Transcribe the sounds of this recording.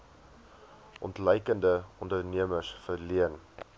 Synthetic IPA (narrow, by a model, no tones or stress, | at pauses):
ʔɔntləjkəndəɔndərniəməsfərliən